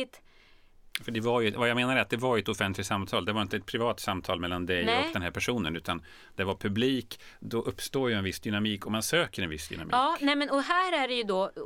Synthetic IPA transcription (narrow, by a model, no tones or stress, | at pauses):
ɪt̪ | fœɖɛvaɾjɵvajaɡmeːnaɾat̪̚d̪ɛvaɾɛt̪ɔfɛnt̪lɪt̪samt̪ʰɑːld̪ɛvaɾɪnt̪əɛt̪̚pʰɾɪvɑːt̪samt̪ʰɑ̰ːlmɛlːand̪ɛj̪ɔkd̪ɛnɦæɾpʰæʂuːnənʉ̟ːt̪an | d̪̥ɛvaɾpʰɵbliːk | d̪ɔʔɵpːst̪oːjɵɛnvɪsd̪ʏnamiːkɔmansøːkəɾɛnvɪsːd̪ʏ̰na̰mḭːɑːnɛmɛnɔɦæːɾæɖɛjɵd̪ɔ